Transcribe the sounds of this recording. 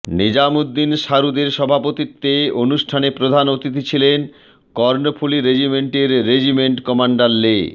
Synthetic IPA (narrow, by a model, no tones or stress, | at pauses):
nid͡ʑamud̪ːinʃaɾud̪eɾʃɔbʱapot̪it̪ːeonuʃʈʰanepɾod̪ʱanot̪it̪it͡ɕʰilen | kɔɾnopʰuliɾed͡ʑimeɳʈeɾːed͡ʑimeɳʈkɔmaɳɖaɾle